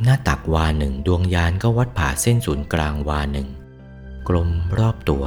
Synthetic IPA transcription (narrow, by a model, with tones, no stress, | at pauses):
naː˥˩t̪a˨˩k̚waː˧nɯ˨˩ŋdu˧əŋjaː˧nkɔː˥˩wa˦˥t̪̚pʰaː˨˩se˥˩nsuː˩˦nklaː˧ŋwaː˧nɯ˨˩ŋ | kɾo˧mɾɔː˥˩p̚t̪u˧ɐ